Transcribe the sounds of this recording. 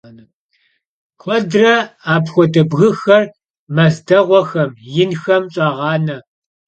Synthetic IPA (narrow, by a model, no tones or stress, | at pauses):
n | kʷʰɔdrɐaːpxʷɔdɐbɣɨxɐr | mɐzdɐʁʷɔxɐmjɪnxɐmɕʼɑːʁɑːnɐ